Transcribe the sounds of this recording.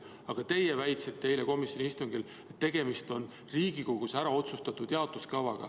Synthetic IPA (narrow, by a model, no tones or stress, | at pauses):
ɑɡ̥ɑt̪e̞jevæjt̪seb̥̚t̪ejleko̞misjo̞nʲiist̪uŋɡ̥il | e̞t̪ːe̞ɡ̥e̞mist̪o̞n | riːɡ̥iko̞ɡ̥usæɾɑo̞t̪sust̪ɑt̪ːˑud̪̥jeɑot̪luskɑvɑɡ̥ɑ̰